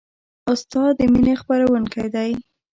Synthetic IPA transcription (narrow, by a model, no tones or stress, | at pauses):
ʊst̪ɑd̪ːəminexpaɾawəŋkajd̪aj